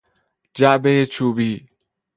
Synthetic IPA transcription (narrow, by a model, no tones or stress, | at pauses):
d͡ʒæʔbejet͡ʃʰuːbiː